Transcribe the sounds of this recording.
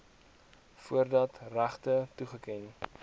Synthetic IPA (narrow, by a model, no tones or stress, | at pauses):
fuərdɐtræχtətuχəkɛn